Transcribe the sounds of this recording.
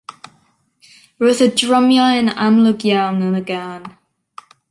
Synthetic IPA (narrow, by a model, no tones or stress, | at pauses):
əʌzədɹʌ̃mjaɪ̃na̰mlʊkjanə̃nəɡan